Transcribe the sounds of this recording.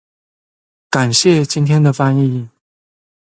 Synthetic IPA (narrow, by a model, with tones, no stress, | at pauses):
ka˨˩nɕjɛ˥˩t͡ɕi˥nt̪ʰjɛ˥nd̪ə˨fa˥ni˥˩